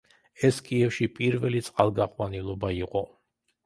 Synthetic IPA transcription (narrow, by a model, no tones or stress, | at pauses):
ɛskʼiɛfʃipʼiɾvɛlit̪sʼqʼalˠɡaqʼwanilˠɔbaiqʼɔ